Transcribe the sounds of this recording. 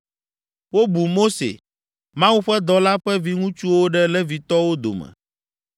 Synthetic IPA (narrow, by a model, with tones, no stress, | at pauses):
wo˦bu˨mo˦sḛ˨ | mã˦wu˦ɸɛ˦d̪ɔ˨la˦ɸɛ˦vi˨ŋũ˦t͡ʃu˦wo˦ɖɛ˦lɛ˦vi˨t̪ɔ˦wo˦d̪o̰˨mɛ̰̃˨